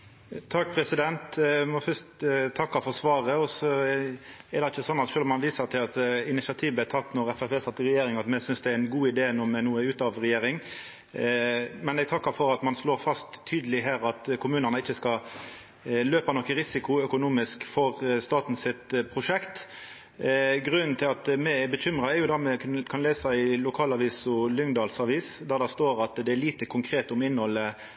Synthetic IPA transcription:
t̪ʰɑk̚ːpʰɾɛsɪd̪ɛnt̪mɔfœst̪t̪ʰɑkːɑfɔsʋɑːʁəɔsɔ | ɛɾd̪ɛɪçːəsɔnːɑt̪ʃøːlmɑnʋiːsɑt̪ʰɪlɑt̪ɪnɪsɑt̪ʰiːʋæɪt̪ʰɑt̪ːnɔʁɛfæpeːsɑt̪ːɪʁɛjeːɾɪŋɑt̪mɛsʏnsd̪ɛæɾɪnɡuːɪd̪eːnumɛnuːəʉːt̪ɑʋʁɛjeːɾɪŋ | mɛnɛɡt̪ʰɑkːɑfɔɾɑt̪mɑnsloːɾfɑst̪ʰːyːd̪əlɪɦæːɾɑt̪kʰʊmʉːnənəɪçːəskɑ | løːpɑnɔkːəɾɪsɪkʊœkʊnuːmɪskfɔʁst̪ɑːt̪n̩sɪt̪pʰɾʊʂɛkt̪ | ɡʁʉnnt̪ʰɪlɑt̪mɛɛbəɕʏmʁɑɛɾjʊd̪ɑmɛkʰɑnleːsɑɪlʊkʰɑːlɑʋiːsʊlʏŋd̪ɑːlsɑʋiːsd̪æʁd̪ɑst̪oːɾɑt̪d̪ɛæɭiːt̪əkʰʊŋkʰɾeːt̪ʊmɪnːhɔlːə

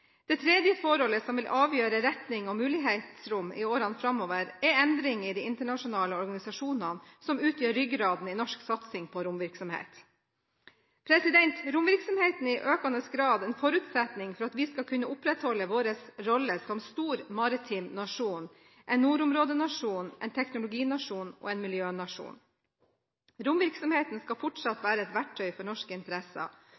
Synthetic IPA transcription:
d̪̥ɛt̪ʰɾɛːd̪jəfɔɾɔlːəsɔmʋɪlʔɑːʋjøːɾəɾɛt̪nɪŋɔmʉːlɪɦeɪt̪sɾʊmːɪ̰oːɾɑnfɾɑmːoːʋəɾɛɾɛnd̪ɾɪŋɪd̪iɪnt̪əɳɑʂʊnɑːləɔɾɡɑnɪsɑʂuːnɑnsɔmʉːt̪ʰjøːɾːʏɡɾɑːd̪n̩ɪnɔʂksɑt̪sɪŋpʰɔɾʊmʋɪɾksɔmhḛːt̪ | pʰɾɛsɪd̪ɛnt̪ɾʊmʋɪɾksɔmheːt̪n̩ɪʔøːkɑnəsɡɾɑːd̪ɛnfɔɾʉːt̪sɛt̪nɪŋfɔɾɑt̪ʋɪskɑkʰʉnːəʔʊpɾɛt̪hɔlːəʋoːɾəsɾɔləsɔmst̪uːɾmɑɾɪt̪ʰiːmnɑʂuːn | ʔɛnːuːɾʊmɾoːd̪ənɑʂuːnʔɛ̰ɪnt̪ʰɛknʊlʊɡiːnɑʂuːnʔɔ̰ːɛɪnmɪljøːnɑʂṵːn | ɾʊmʋɪɾksɔmheːt̪n̩skɑfɔʈʂɑt̪ʋæːɾəɛt̪ʋæʈʰːœʏfɔɳɔʂkəɪnt̪əɾɛsə̰

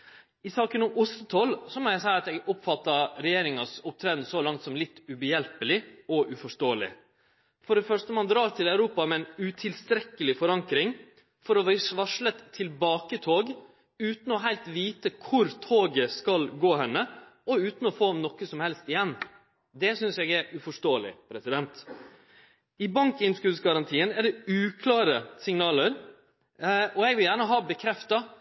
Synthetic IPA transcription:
ɪsɑːkənɔmʊsət̪ʰɔlsɔmɔjæɪsæɪɑt̪ɛɡɔpfɑt̪ːɑɾɛjeːɾɪŋɑsʊp̚t̪ʰɾɛːd̪nəsɔlɑŋt̪sɔmlɪt̪ːʉbəjɛlpəlɪɔʔʉfɔʂt̪oːəlɪ̰ | fɔɖɛfœʂt̪əmɑnd̪ɾɑːɾt̪ʰɪlæʉɾuːpɑmɛɛnʉt̪ʰɪlst̪ɾɛkːəlɪfɔɾɑŋkɾɪŋ | fɔɾɔʋɪʋɑʂɭət̪ʰːɪlbɑːkət̪ʰoːɡ | ʉːt̪n̩ɔɦæɪlt̪ʋiːt̪əkʰʊɾt̪ʰoːɡəskɑlɡoːhɛnːəɔʉːt̪n̩ɔfoːmnɔkːəsɔmhɛlst̪ɪjɛnː | d̪ɛsʏnsɛɡɛɾʉfɔʂtoːəlɪ̰pʰɾɛsɪd̪ɛnt̪ | ɪbɑŋkɪnskʉːsɡɑɾɑnt̪ʰiːənæɖɛʉːkʰlɑːɾəsɪŋnɑːləɾ | ɔɛɡʋɪljæːɳəɦɑːbəkʰɾɛft̪ɑ

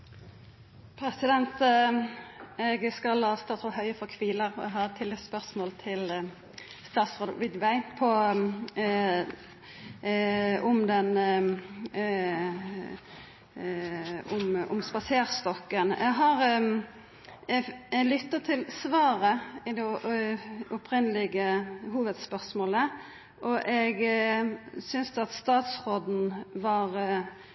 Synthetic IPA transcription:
pʰɾɛsɪd̪ɛnt̪ | ɛɡskɑlhɑst̪ɑːʁt̪ʰɔhœʏəfɔkʰʋiːləʁɔ̰ɛɦɑɾt̪ʰɪlɪspœʁsmoːlt̪ʰɪl | st̪ɑːt̪sʁoːd̪ə̰ʋɪd̪ʋæɪpʰɔ | ʊmd̪ɛn | ʊmʊ̰mspɑseːʁst̪ɔkːənɛ̰ɡɦɑʁ | ɛlʏt̪ːət̪ʰɪlsʋɑːɾəɪd̪ɛ | ʊpʰɾɪnəlɪɡəɦuːʋəd̪spœʁsmoːlə | ʔɔʔɛɡ | sʏnsd̪ɛɑt̪st̪ɑːt̪sʁoːd̪n̩ʋɑʁ

